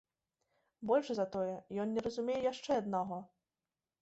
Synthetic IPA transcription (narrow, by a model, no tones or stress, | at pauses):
bɔlʲʂzɐt̪ɔjɛjɔnnʲɛɾɐzumʲejɛjaʂt͡ʂɛɐd̪̚naɣɔ